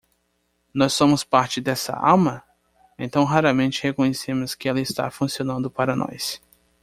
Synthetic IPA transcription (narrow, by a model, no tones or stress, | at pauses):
nɔsːõmʊspaɾt͡ʃɪd̪ɛsɐ̰a̰wmɐ | ẽnt̪ɐ̃w̃ɦaɾɐmẽnt͡ʃɪhekõɲesẽmʊskɪɛlɐɪst̪a̰fũsionɐ̃nd̪ʊpaɾɐnɔ̰s